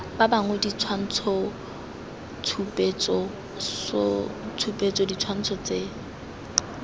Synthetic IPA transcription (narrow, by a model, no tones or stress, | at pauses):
b̥abaŋwedit͡sʰwan̩t͡sʰɔ | t͡sʰupʼet͡sʼɔ | sɔt͡sʰupʼet͡sɔdit͡sʰwan̩t͡sʰɔt͡se